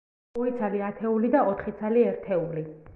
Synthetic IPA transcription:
ɔit̪sʰaliat̪ʰɛulid̪aɔt̪ʰχit̪sʰaliɛɾt̪ʰɛuli

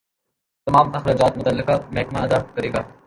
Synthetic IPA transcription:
t̪ɐmaːmɐxɾaːd͡ʒaːt̪̚mʊt̪ɐlːɪkamɛːʈmaːnɐd̪aːkɐɾeːɡaː

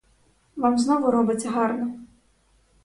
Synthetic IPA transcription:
vamznɔvʊɾɔbɪt͡sʲɐɦɑrnɔ

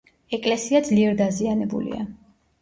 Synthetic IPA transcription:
ɛkʼlɛsiad̪zliɛɾd̪azianɛbṵlḭa̰

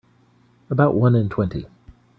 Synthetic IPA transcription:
əbaʊʔwʌ̃nə̃ntʰw̥ɛ̃nti

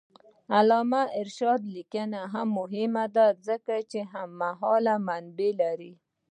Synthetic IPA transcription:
alɑmaɪɾʃɑd̪likanaɦamːʊɦɪmad̪azəkat͡ʃeɦamːaɦɔlamanbelaɾi

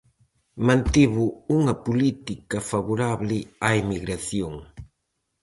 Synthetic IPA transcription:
mãnt̪iβuuŋɐpulit̪ikɐfaβuɾaβlɪaimiɣɾaθjoŋ

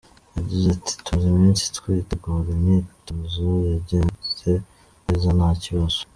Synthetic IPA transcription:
jaɟizati̥tuzimiːnsi̥tkwituɡoɾenituzijaɟense | ezanaciβaz̥

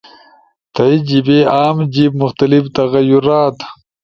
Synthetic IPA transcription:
t̪aid͡ʑibeaːmd͡ʑib̚mʊxt̪alift̪ɐɣajuɾaːt̪

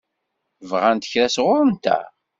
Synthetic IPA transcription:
vʁænt̪əçɾæsʁʊɾənt̪æ̰

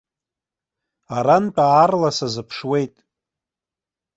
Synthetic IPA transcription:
aɾant͡pʼaːrlasazɨpʰʂwe̞jtʼ

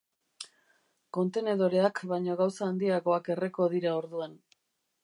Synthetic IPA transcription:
ko̞nt̪e̞ne̞ðo̞ɾe̞akβajɲo̞ɣawsaːnd̪iaɣo̞ake̞reko̞ðiɾao̞ɾðuan

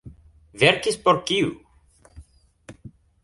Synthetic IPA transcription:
vɛɾkispoɾkiu

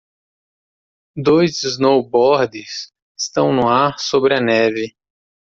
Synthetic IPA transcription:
d̪ojzznowbɔɾd̪ɪs | ɪst̪ɐ̃w̃nʊaɾsobɾɪɐnɛvɪ

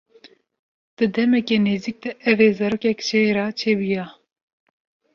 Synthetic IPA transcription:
d̪̥ɨd̪ɛmɛkeːneːziːk̚d̪ɛʔɛveːzɑɾoːkɛkt͡ʃʰɛeɾɑt͡ʃʰeːbijɑ

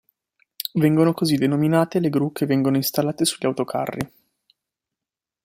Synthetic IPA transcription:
vɛŋɡonokozid̪ːenominaːt̪eleɡɾuk̟ːevːɛŋɡonoist̪alːaːt̪esuʎːawt̪okʰa̰rːḭ

